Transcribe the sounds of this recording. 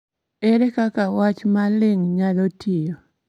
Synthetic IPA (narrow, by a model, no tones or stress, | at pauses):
ɛɾɛkakawat͡ʃmalɪŋɲalotʰijo